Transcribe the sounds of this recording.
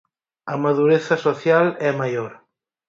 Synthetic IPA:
amaðuɾeθɐsoθjalɛmajoɾ

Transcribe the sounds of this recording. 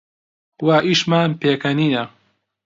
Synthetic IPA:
waːʔiʃmaːnpeːkɐniːnɐ

